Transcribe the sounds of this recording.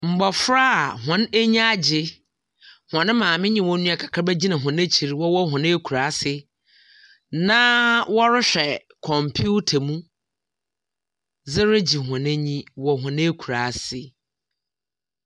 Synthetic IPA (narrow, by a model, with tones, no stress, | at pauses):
m̩˨ɡ͡bɔ˨fɾa˦a˨ɦʊ̃˨ne˦ɲĩ˦a˦d͡ʑɪ˦ | hɔ̃˨nɪ̃˦mãː˨mɪ̃˦ɲĩ˨wɔ̃˦nũ˦a˨kʰḁ˨kʰɾa˦bæ˦d͡ʑi˦nã˨ɦʊ̃˨ne˦t͡ɕʰi˨ɾwɔ˦wɔ˦ɦʊ̃˨nɪ̃˦kʰu˨ɾa˨˦sɪ˦ | nã˦wɔ˦ɾɪ˦ɕᶣɛ˨ | kʰɔ̃˨mpʰu˦tʰa˨mũ˦ | zɪ˦ɾɪ˦d͡ʑi˨hʊ̃˨ne˦ɲĩ˦wɔ˨ɦʊ̃˨nɪ̃˦kʰu˨ɾa˨sɪ˦